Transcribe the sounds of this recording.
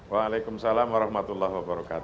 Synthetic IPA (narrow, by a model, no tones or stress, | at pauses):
waːlajkʊmsalamwaɾɑhmat̪ulːahwabəɾɔka̰ːt̪